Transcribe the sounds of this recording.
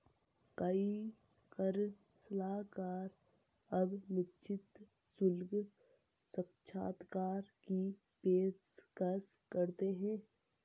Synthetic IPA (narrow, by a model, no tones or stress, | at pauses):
kəi | kəɾ | səlaːɦkaːɾ | əbmɪtːt͡ʃʰɪt̪ | sʊlɡ | səkt͡ʃʰa̰ːt̪kaːɾki | peː | kəs | kəɾt̪eɦɛ̃ː